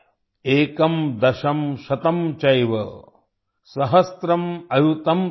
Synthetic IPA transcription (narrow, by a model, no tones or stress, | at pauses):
eːkɐmd̪ɐʃɐmʃɐt̪ɐmt͡ʃɐjʋɐ | sɐɦɐst̪ɾɐmɐjut̪ɐm